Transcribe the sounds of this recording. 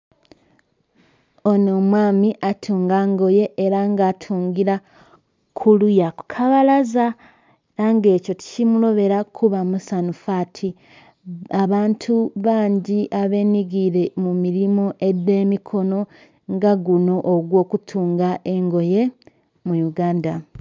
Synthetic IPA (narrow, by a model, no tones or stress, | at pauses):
onomwaːmiʔatʰuːŋɡaːŋɡo̞je̞ʔːɾaŋɡaːtʰuːŋɡiɾa | kʰulujako̥kʰaβalaza | ɾaŋɡe̞ːco̞ti̥cimulo̞βe̞ɾakʰuβamusanufaːtʰi | aβaːntʰuβaːɲɟiʔaβe̞ːniɡiɾe̞mumiɾimoʔe̞dːe̞ːmikʰo̞no̞ | ŋɡaɡuno̞ʔːɡwo̞ːkutʰuːŋɡaʔe̞ŋɡo̞je̞ | mujuɡaːnda